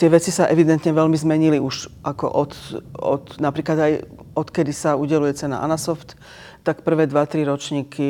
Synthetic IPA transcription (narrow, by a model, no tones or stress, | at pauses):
t̪ɪɛʋɛt͡sisaʔɛʋid̪ɛnt̪ɲɛʋɛlmizmɛɲiliuʒʔakɔ̰ʔɔt̪ɔ̰t̪napɾiːklad̪aj | ɔt̪kɛd̪isauɟɛlujɛt͡sɛna̰ʔa̰nasɔft̪ː | akpr̩ʋɛːd̪ʋat̪ɾiɾɔt͡ʃɲiːkʰi